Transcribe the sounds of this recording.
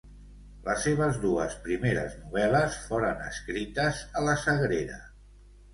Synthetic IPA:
ləsːeβ̞əzduəspɾimeɾə̰znuβ̞ɛləsfoɾənə̰skɾit̪əzələsəɣɾeɾə̰

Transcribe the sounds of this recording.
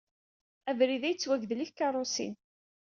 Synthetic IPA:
ævɾiðæjət͡sːwæɡðliçkɑrˤosḭn

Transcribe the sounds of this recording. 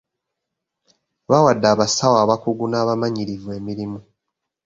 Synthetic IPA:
βawadːaːβasawaːβakuɡunaːβamaɲiɾivue̞ːmiɾimu

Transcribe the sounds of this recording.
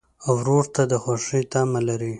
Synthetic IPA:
awɾoɾt̪ad̪əxaʂit̪amalaɾi

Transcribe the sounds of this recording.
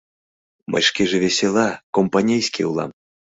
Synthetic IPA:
ma̰jʂkʲiʐɨvʲɛsʲɛlˠakɔmpanʲɛjsʲkʲḭwlˠa̰m

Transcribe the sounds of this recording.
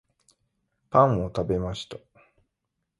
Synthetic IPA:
pãɰ̃o̞t̪abe̞maɕi̥t̪a

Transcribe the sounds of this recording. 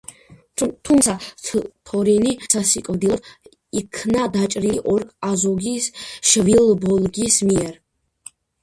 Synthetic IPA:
t̪ʰumsʰat̪ʰɔɾinisasikʼvd̪ilɔd̪ | ikʰnad̪at͡ʃʼɾiiʔɔɾkʼazɔɡisʃvilbɔlɡismiɛɾ

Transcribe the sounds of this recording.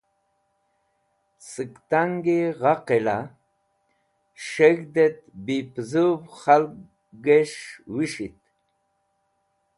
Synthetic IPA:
sɨkt̪aŋɡeʁaqela | ʃeɣd̪et̪̚bipzubχalk | ɡeʃwiʂit̪̚

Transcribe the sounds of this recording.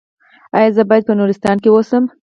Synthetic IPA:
ɑjɑzəbɑjad̪̚pənuɾɪst̪ɑnkewosəm

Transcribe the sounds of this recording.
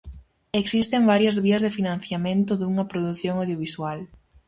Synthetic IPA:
eksist̪eŋbaɾjɐzβiɐzðɪfinãnθjamẽnt̪ʊðuŋɐpɾoðuθjoŋawðjoβiswal

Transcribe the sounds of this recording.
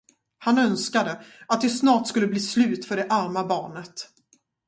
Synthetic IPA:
hanœnskad̪əat̪̚d̪ɛsnɑːʈskɵlːəbliːslʉ̟ːt̪fœɖɛʔaɾmabɑːɳət̪

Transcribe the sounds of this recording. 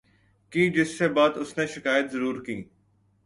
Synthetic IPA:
kiːd͡ʒɪsːebaːt̪ʊsneʃɪkaːjət̪zəɾuːɾkiː

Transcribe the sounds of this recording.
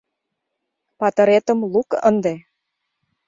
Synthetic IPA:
pɑt̪ɤ̆ɾet̪ə̆mlukə̰nd̪e

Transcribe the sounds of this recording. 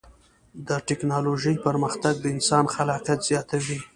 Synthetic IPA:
d̪əʈɪknɑloʒəjpəɾməxt̪aɡ̚d̪əɪnsɑnxalɑqjat̪z̥jɑt̪awi

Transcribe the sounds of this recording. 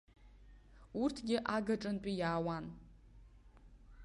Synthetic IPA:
urtʰɡʲɪʔaɡaʈ͡ʂʼɨnpʷʼijaːwan

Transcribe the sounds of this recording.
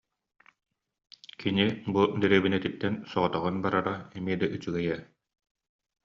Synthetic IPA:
kinibud̪ɛɾɛbinɛt̪it̪ːɛnsɔʁɔt̪ɔʁɯnbaɾaɾaɛmiɛd̪aʔyt͡syɡɛjɛ

